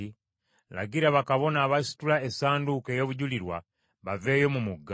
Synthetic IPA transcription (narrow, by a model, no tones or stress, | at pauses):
i | la̰ɡiɾaβakaβo̞naːβasi̥tulaesaːnduke̞joβuɟuliɾwa | βave̞ːjo̞mumuɡːa